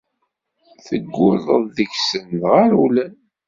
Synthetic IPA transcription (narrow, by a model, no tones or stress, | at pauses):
θəɡːʊðˤəððəçsənðʁaɾulæn